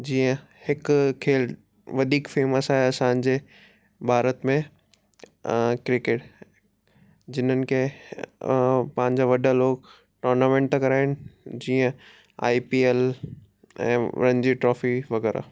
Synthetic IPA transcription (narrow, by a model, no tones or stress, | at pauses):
d͡ʑiːə̃ | hɪkkʰeːl | ʋɐd̪ʱiːkfeːməsaːɦeɐsãːnd͡ʑe | bʱaːɾət̪mẽ | kɾɪkeːʈ | d͡ʑɪnənɪ̆kʰe | pɐ̃ɦɪ̃ɲd͡ʑaʋɐɗaloːɡ | ʈɔːɾnamẽːɳʈkɐɾaːɦɪnɪ̆d͡ʑiːə̃ | a̰ːipiːel | ɛ̰̃ːɾɐ̃ɲd͡ʑiʈɾɔːfiʋɐɣɛːɾa̰